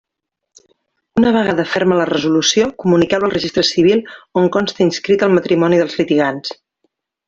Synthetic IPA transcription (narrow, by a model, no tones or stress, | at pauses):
unəβ̞əɣaðəfɛɾmələrəzulusiokumunikɛwəlˠrəʒist̪ɾəsiβ̞ilˠoŋkɔnst̪əinskɾit̪əlˠmət̪ɾimɔniðəlˠzlit̪iɣans